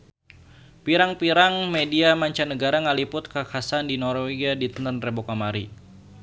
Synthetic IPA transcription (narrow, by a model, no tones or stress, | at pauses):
piɾaŋpiɾaŋmediamaɲt͡ʃanəɡaɾaŋalipʊt̪̚kakʰasandinɔrweɡadit̪ənt̪ənrebokamaɾi